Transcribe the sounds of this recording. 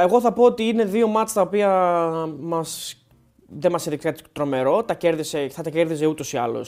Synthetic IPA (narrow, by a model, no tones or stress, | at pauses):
eɣo̞θɐpo̞ot̪iine̞ðio̞mɐt͡st̪ɐo̞piɐ | mɐs | ðemɐseðikt̪ikɐt̪t̪ɾo̞me̞ɾo̞t̪ɐce̞ɾðise̞θɐt̪ɐce̞ɾðize̞ut̪o̞siɐ̰lo̰s